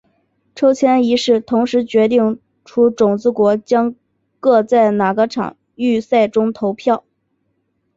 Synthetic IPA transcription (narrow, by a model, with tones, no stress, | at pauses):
ʈ͡ʂʰo˥ʊt͡ɕʰjɛ˥ni˧˥ʂɻ̩˥˩t̪ʰʊ˧˥ŋʂɻ̩˧˥t͡ɕɥɛ˧˥t̪i˥˩ŋ | ʈ͡ʂʰu˥ʈ͡ʂʊ˨˩ŋt͡sɹ̩˥kwɔ˧˥t͡ɕjɑ˥ŋ | kɤ˥˧t͡sa˥˩ɪna˨˩ɡə˦ʈ͡ʂʰɑ̰˨˩˦ŋ | y˥˧sa˥˩ɪʈ͡ʂʊ˥ŋt̪ʰo˧˥ʊpʰjɑ˥˩ʊ